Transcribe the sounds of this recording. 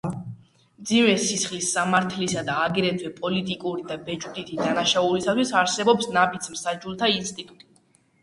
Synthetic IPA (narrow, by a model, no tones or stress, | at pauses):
md̪zimɛsisχlisːamaɾt̪ʰlisad̪aːɡɾɛt̪ʰwɛpʼɔlit̪ʼikʼuɾid̪abɛd͡ʒʼud̪it̪ʰid̪anaʃaulisat̪ʰwisaɾsɛbɔpsnabit̪sʰmsad͡ʒulˠt̪ʰainst̪ʼit̪ʼut̪ʼi̥